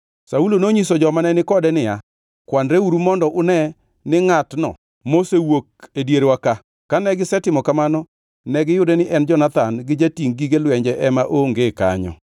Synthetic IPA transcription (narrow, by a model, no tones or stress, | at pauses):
saulonoɲisɔd͡ʒɔmanɛnɪkɔdɛnɪja | kwanɾeuɾumɔndɔʔʊnɛ | nɪŋatnɔ̰ | mosewok̚edjeɾwaka | kanɛɡɪsɛtɪmɔkamanɔ | nɛɡɪjʊdɛnɪʔɛnd͡ʒɔnat̪anɡɪd͡ʒatiŋɡiɡelwɛɲd͡ʒɛʔɛmaʔoŋɡeka̰ɲɔ̰